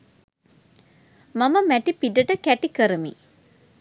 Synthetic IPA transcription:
maməmæʈipiɖəʈəkæʈikəɾəmḭ

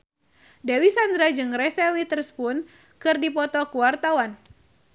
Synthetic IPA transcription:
dewisand̪ɾad͡ʒɨŋrɛsɛwit̪ərspun | kɨrdipɔt̪ɔkuwart̪awan

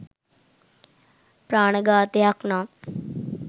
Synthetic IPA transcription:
pɾaːɳɐɡaːt̪ejakna

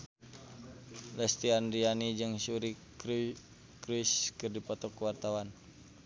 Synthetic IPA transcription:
lɛst̪ianrianid͡ʒɨŋsuɾik | kɾuiskɨrdipɔt̪ɔkːuwart̪awan

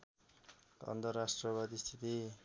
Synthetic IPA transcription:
ʌ̰nt̪ʌrasʈrʌbʌd̪ist̪ʰit̪i

